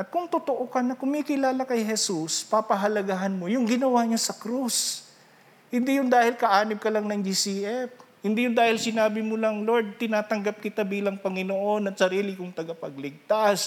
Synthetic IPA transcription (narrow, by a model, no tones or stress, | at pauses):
ʔɐt̪̚kʊŋt̪ot̪oʔokɐnɐkʊmiːkɪlaːlakɐjɦɛsuspapɐɦɐlɐɡaɦɐnmojʊŋɡɪnɐwaːɲasɐkɾus | hɪnd̪ijʊnd̪aːhɪlkɐʔaːnɪb̚kɐlaŋnɐŋd͡ʒisiːʔɛp̚ | hɪnd̪iːjʊnd̪aːhɪlsɪnaːbɪmʊlɐŋloɹd̪̚t̪ɪnaːt̪ɐŋɡap̚kɪt̪abiːlɐŋpɐŋɪnoʔonɐt̪̚sɐɾiːlɪkʊŋt̪ɐɡɐpɐɡ̚lɪɡ̚t̪as